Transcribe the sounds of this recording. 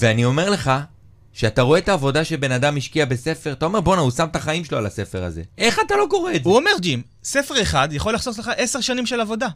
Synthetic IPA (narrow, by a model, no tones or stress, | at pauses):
veanio̞me̞ʁle̞χa | ʃeat̪aʁoe̞t̪aːvo̞daʃebenadamiʃkiabe̞se̞feʁat̪ao̞me̞ʁbo̞nausamt̪aχaimʃeloalasefe̞ʁa̰ze̞̰ʔe̞χat̪alo̞ko̞ʁeezuome̞ʁd͡ʒim | se̞fe̞ʁeχad̪jaχo̞lːaχso̞sleχaʔe̞seʁʃanimʃelavo̞da